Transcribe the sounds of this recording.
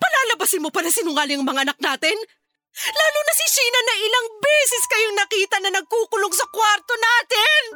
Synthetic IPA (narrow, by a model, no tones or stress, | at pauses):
pɐlaːlɐbɐsɪnmopɐlɐsɪnʊŋaːlɪɐŋmɐŋaʔɐnɐk̚naːt̪ɪn | laːlʊnɐsɪʃiːnɐnɐʔɪlɐŋbɛsɛskɐjoŋnɐkiːt̪ɐnɐnɐɡ̚kuːkʊloŋsɐkwaɾt̪o̞naːt̪ɪn